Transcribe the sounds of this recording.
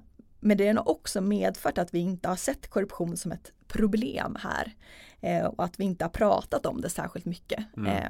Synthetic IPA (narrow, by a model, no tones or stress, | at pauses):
mɛnd̪ɛænʊʔɔksɔmeːd̪fœːʈat̪vɪɪnt̪əhaʂɛt̪ːkʰɔɾɵpɧuːnsɔmɛt̪pʰɾʊblḛːmhæ̰ːɾ | ɔat̪vɪɪnt̪əhaɾpʰɾɑ̰ːt̪at̪ɔmd̪ɛsæ̰ːɾɧɪlt̪mʏkːə